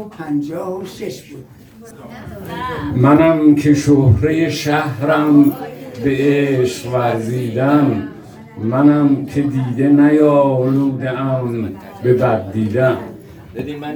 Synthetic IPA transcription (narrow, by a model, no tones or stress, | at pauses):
pʰænd͡ʒɒːhoʃeʃbu | mænæmkʰeʃohɾejeʃæhɾæmbe̞ʔeʃvæɾziːd̪æn | mænæmkʲʰed̪iːd̪enæjɒːluːd̪eæm | be̞bæd̪̚ːiːd̪æn